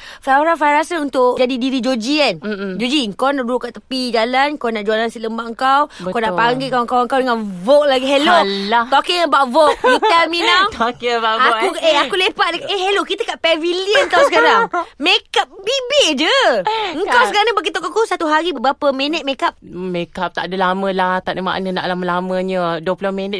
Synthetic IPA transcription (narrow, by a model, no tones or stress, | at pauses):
faɾafaɾasənunt̪ʊʔd͡ʒadidiɾid͡ʒod͡ʒiand͡ʒod͡ʒiŋkawnaʔduɾukaʔt̪əpid͡ʒalankanaʔd͡ʒualansitləmbaʔəŋkawŋkawnaʔpaŋɡikawŋkawəŋkawdəŋanvok̚laɡiɦelot̪okiabaʔvok̚bit̪ɛlmĩnawkibaʔaueakulepaʔ̚dəkaʔeɦelokit̪əkaʔpɛviliənt̪awsəkaɾaŋmekap̚bibeʔd͡ʒəəŋkawsəkaɾaŋnəbaɡit̪okakusat̪uɦaɾibəbɾapəmenət̪̚mẽkap̚mekap̚t̪a̰ʔdəlaməlaht̪aʔdəma̰ʔnəna̰ʔlaməlaməɲəduəpulomɛnət̪